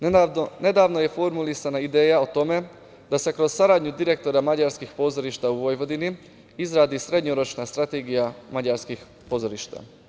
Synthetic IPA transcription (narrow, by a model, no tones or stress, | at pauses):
ne̞d̪aːʋno̞je̞fo̞ɾmulisanaid̪e̞ːjaot̪o̞me̞ | d̪ase̞kɾo̞z̥saɾaːd̪ɲud̪iɾe̞k̚t̪o̞ɾamad͡ʑaɾskixpo̞ːzo̞ɾiʃt̪auʋo̞jʋo̞d̪ini | izɾaːd̪isɾe̞d̪ɲoɾo̞t͡ʃnast̪ɾat̪eɡijamad͡ʑaɾskix | po̞ːzo̞ɾiːʃt̪a̰